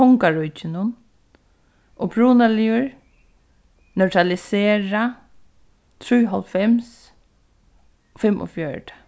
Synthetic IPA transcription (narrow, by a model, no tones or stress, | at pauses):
ɔŋkaɹujt͡ʃɪnʊn | ɔpʰɹuːnalɪʊɹ | nœtʰɾalɪseːɹa | t̪ʰɾujɦɔlfɛms | fɪmʔʊ̰fjœɹʈḁ